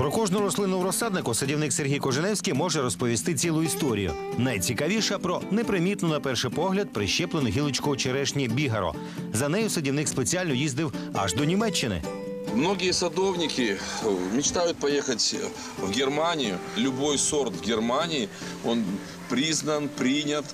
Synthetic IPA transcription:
pɾɔkɔʒnɔɾɔslˠɪnɔʋʊɾɔsɑd̪̚nɪkʊsɐdʲiwnɪkserɦʲijkɔʒenɛwsʲkʲijmɔʒɛɾɔspɔʋʲist̪ɪt͡sʲilˠʊist̪ɔɾʲḭjʊ̰ | nɐjt͡sʲikɐʋʲiʃɛpɾɔnɛpɾɪmʲit̪nʊnɐpɛrʃɪpɔɦlʲɐd̪̚pɾɪʃɛplˠenʊɦʲilˠɪt͡ʃkɔɔt͡ʃeɾɛʃnʲibʲiɦɐɾɔ̰ | zɐnɛjʊsɐdʲiwnɪkspet͡sʲialʲnɔjizd̪ɪwɐ̰ʒd̪ɔnʲimɛt͡ʃːɪnɪ̰ | mnoɡʲɪjɛsɐd̪ownʲɪkʲɪmʲɪt͡ʃt̪ajʊt̪̚pɐjexɐtʲ | vɡʲɪrmanʲɪjʊlʲʊbojsɔrt̪vɡʲɪrmanʲɪɪ | on | pɾʲiznɐnpɾʲinʲɐt̪

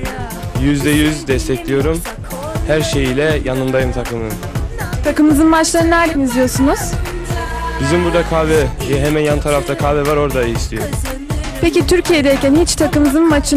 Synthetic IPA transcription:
jyzd̪ɛjyzd̪ɛst̪ʰɛclʲijo̞ɾum | hæɾʃe̞jilʲɛjanɯmd̪ajɯmt̪ʰakʰɯmɯm | t̪ʰakɯmɯzɯnbat͡ʃlˠaɾɯnaɾlʲimizlʲijo̞ɾsunuz̥ | bizimbuɾd̪akʰaːvɛjɛɦemænjanɯt̪ʰaɾaft̪ʰakʰaːvɛvaɾo̞ɾd̪aiislʲijo̞ɾu | pecit̪ʰyɾcʰijɛd̪ɛjcʰænhit͡ʃt̪ʰakɯmɯzɯnmat͡ʃʰɯ

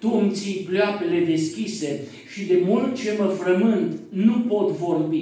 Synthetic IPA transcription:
t̪umt̪sijpleape̞le̞d̪e̞skʲise̞ | ʃid̪e̞mult̪̚t͡ʃe̞məfɾəmɨnt̪nupo̞t̪vo̞rbi

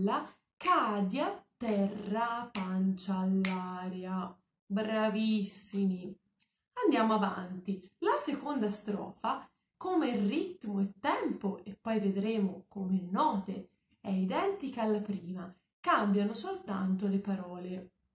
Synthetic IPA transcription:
a | kaːd̪jat̪ːɛrːapant͡ʃaːlːaːɾea | bɾavisːimi | and̪jaːmoavant̪ilasekond̪ast̪ɾɔ̰ːfa | komerːit̪moet̪ːɛmpoepːɔjved̪ɾeːmokomenːɔːt̪e | ɛid̪ɛnt̪ikaːlːapɾiːma | kambjanosolt̪a̰nt̪olepaɾɔːle

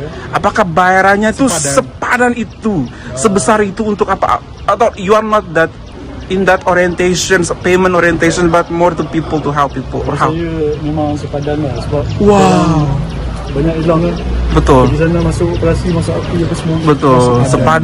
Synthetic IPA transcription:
ʔapakahbajaɾanɲat̪usəpadanit̪u | səbəsaɾit̪uːnt̪ʊkapa̰ | at̪awjuarnɔt̪̚d̪ɛt̪̚ | ɪnd̪ɛt̪ɔɾiɛnt̪eʃənspemə̃nt̪oɾiɛnt̪eʃɔnbat̪̚mɔrd̪ɛnpipəlt̪uɦɛlpːipəlɔhɛjəmemaŋsəpadanlasəbap̚wa | baɲakilaŋabət̪ʊldis̬anəmasʊkpəlasimasʊkapiapəsəmuabət̪ʊlsəpad

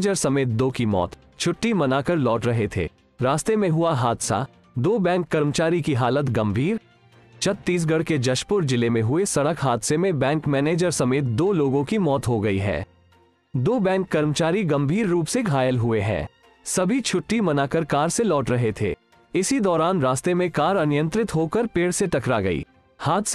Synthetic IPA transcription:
d͡ʒəɾsɐmeːt̪̚d̪oːkimɔ̰ːt̪ | t͡ʃʰʊʈːimɐnaːkəɾlɔːʈɾɐɦet̪ʰḛː | ɾaːst̪emẽɦʊaɦaːd̪sa̰ | d̪oːbɛ̃ːŋkːɐɾmət͡ʃaːɾikiɦaːlət̪ɡɐ̃mbʱiːɾ | t͡ʃʰɐt̪ːiːs̬ɡɐɽked͡ʒɐʃpʊɾd͡ʒɪlemẽɦʊesɐɽəkɦaːd̪semẽbɛ̃ːŋkmɛːneːd͡ʒəɾsɐmeːt̪̚d̪oːloːɡõkimɔːt̪ɦoɡɐiɦɛ̰ː | d̪oːbɛ̃ːŋkːɐɾmt͡ʃaːɾiɡɐ̃mbʱiːɾːuːpseɡʱaːjəlɦʊeɦɛ̰ː | sɐbʱit͡ʃʰʊʈːimɐnaːkəɾkaːɾselɔːʈɾɐɦet̪ʰḛː | ɪsid̪ɔːɾaːnɾaːst̪emẽkaːɾɐnɪjə̃nt̪ɾɪt̪ɦokəɾpeːɽseʈɐkɾaɡɐḭː | haːd̪s

